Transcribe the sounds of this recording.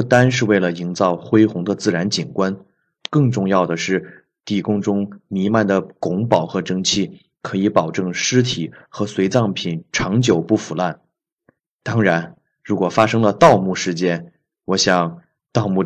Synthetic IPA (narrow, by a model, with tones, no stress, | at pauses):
u˥˩t̪a˥nʂɻ̩˥˧we˥˩ɪlə˩i˧˥ŋt͡sɑ˥˩ʊxwe˥ɪxʊ˧˥ŋd̪ə˧t͡sɹ̩˥˩ɻa˧˥nt͡ɕi˨˩nkwa˥n | kɤ˥˧ŋʈ͡ʂʊ˥˧ŋjɑ˥˩ʊd̪ə˩ʂɻ̩˥˩ | t̪i˥˩kʊ˥ŋʈ͡ʂʊ˥ŋmi˧˥ma˥˩nd̪ə˩kʊ˧˥ŋpɑ˨˩ʊxɤ˧˥ʈ͡ʂɤ˥ŋt͡ɕʰi˥˩ | kʰɤ˧˥i˧˥pɑ˨˩ʊʈ͡ʂɤ˥˩ŋʂɻ̩˥t̪ʰi˨˩xɤ˧˥swe˧˥ɪt͡sɑ˥˩ŋpʰi˨˩nʈ͡ʂʰɑ˧˥ŋt͡ɕjo˨˩ʊpu˥˩fu˨˩la˥˩n | t̪ɑ˥ŋɻa˧˥n | ɻu˧˥kwɔ˨˩fa˥ʂɤ˥ŋlə˨˧t̪ɑ˥˧ʊmu˥˩ʂɻ̩˥˩t͡ɕjɛ˥n | wɔ˧˥ɕjɑ˨˩ŋ | t̪ɑ˥˧ʊmu˥˩